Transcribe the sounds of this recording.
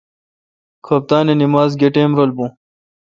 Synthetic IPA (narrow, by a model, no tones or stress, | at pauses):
kʰɐp̚t̪aːnenimaːzɡeʈeːmɾɐlbũː